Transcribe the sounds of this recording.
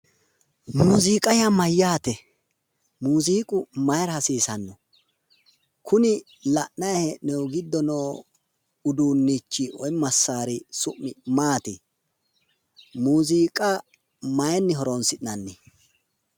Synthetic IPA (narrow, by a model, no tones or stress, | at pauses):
muːziːkʼɐjɐmɐjːaːt̪ɛ | muːziːkʼʊmɐjɾɐhɐsiːsɐnːɔ | kʰʊnɪ | lɐʔnɐjhɛnɛwɡɪd̪ːɔnoː | ʊd̪uːnːit͡ʃːɪɔjmɐsːaːɾɪsʊʔːɪmaːt̪ɪ | muːziːkʼɐ | mɐjɛnːɪɦɔɾɔnsɪnɐnːɪ